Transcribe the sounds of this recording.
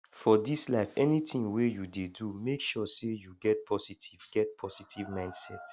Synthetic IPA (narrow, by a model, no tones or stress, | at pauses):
fɔdislaɪfɛnitĩŋwejudedumekʃɔsejuɡɛt̚pʰɔsitʰivɡɛt̚pʰɔsitʰivmãɪ̃nd̥sɛt